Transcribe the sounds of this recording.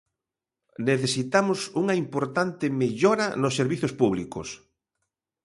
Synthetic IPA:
neθesit̪amʊsuŋɐimpoɾt̪ant̪ɪmeʎɔɾɐnosːeɾβiθospuβlikos

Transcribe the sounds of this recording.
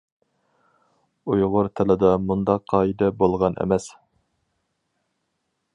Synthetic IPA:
ujʁʊɾt̪ʰɪlɪd̪ɑmund̪ɑqʰːɑːid̪ɛbolˠʁɑnʔḛmɛs

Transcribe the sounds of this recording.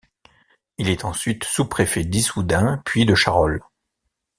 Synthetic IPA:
ilɛt̪ɑ̃sɥit̪supχefɛd̪isud̪ɛ̃pɥid̪əʃaʁɔl

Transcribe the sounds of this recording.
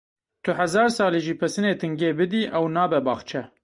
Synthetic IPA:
t̪ʰʊhɛzɑːɾsɑːliʒiːpʰɛsɨneːt̪ʰɨŋɡeːbɨd̪iːʔɛwnɑːbɛbɑ̰ːxt͡ʃʰɛ

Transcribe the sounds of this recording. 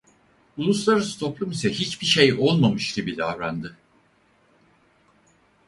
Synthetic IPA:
ulˠuslˠaɾɯst̪ʰo̞plˠumisɛɦit͡ʃbiʃejo̞lˠmamɯʃɾibid̪ʲavɾand̪ɯ

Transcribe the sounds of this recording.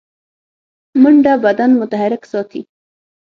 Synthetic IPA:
mʊɳɖabad̪anmʊt̪aɦaɾɪksɑt̪ḭ

